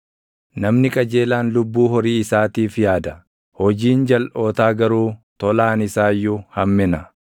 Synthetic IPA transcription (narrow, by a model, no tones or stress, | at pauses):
nɐmnɪkʼɐd͡ʒe̞ːlaːnlʊbːuːɦɔɾiːɪsaːt̪iːfjaːd̪ɐ | hɔd͡ʒiːnd͡ʒɐlʔo̞ːt̪aːɡɐɾuːt̪ɔlaːnɪsaːjːʊhɐmːɪnɐ